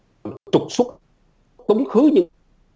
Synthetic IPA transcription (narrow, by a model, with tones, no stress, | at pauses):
t͡ɕʊ˨˩k͡p̚su˦˥k͡p̚ | kə˨˦wŋ͡mxɨ˨˦ɲɨ̰˧˥